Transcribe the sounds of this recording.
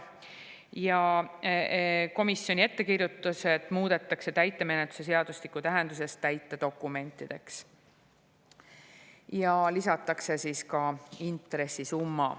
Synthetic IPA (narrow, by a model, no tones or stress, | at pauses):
jɑ | ko̞misːjo̞nʲie̞t̪ːe̞kirjut̪ːˑuse̞d̪̥muːd̪e̞t̪ːˑɑkse̞t̪æjt̪ːˑeme̞net̪ːˑu̥se̞s̬e̞ɑd̪̥uslikːut̪æɦend̪̥use̞st̪t̪ːæjt̪ːˑed̪̥o̞kːˑume̞nt̪ːˑid̪̥e̞ks | jɑlisɑt̪ːˑɑkse̞siːskɑint̪ˑɾe̞sːisumːɑ̰